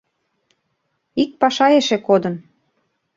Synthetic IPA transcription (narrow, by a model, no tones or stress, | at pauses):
ik̚pɑʃɑeʃekod̪ən